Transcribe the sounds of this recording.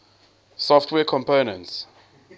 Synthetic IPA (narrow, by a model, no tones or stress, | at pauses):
sɔftʰwɛːkʰɔ̃mpoːnə̃nts